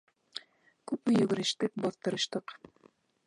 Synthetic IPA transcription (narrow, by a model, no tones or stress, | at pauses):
kʉpmɘ̆jɵ̆ɡɘ̆ɾɘ̆ʃt̪ɘk̚bɑθt̪ɤ̆ɾɤ̆ʃt̪ɤq